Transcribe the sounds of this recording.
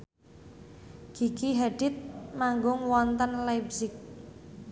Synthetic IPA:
ɡ̥iɡiɦaɖ̥ɪt̪̚maŋɡʊŋwɔnt̪ənlajbsɪk̚

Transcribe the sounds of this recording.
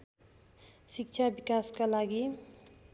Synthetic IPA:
sik̚t͡ʃʰabikaskalaɡi

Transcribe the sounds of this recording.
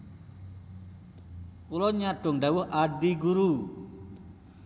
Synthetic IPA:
kulɔɲaɖ̥ʊŋɖawʊɦaɖiɡuɾu

